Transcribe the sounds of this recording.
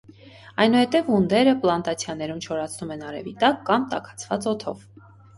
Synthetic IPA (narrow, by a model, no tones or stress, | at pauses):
ɑjnuhɛt̪ɛvund̪ɛɾəplɑnt̪ɑt͡sʰjɑnɛɾumt͡ʃʰɔɾɑt͡sʰnumɛnɑɾɛ̰vit̪ɑkːɑmt̪ɑ̰kʰɑ̥t͡sʰvɑt͡sɔt̪ʰɔ̰v